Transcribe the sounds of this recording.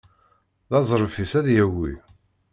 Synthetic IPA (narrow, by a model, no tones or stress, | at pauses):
ðɑzˤɾˤəfisæðjæwḭ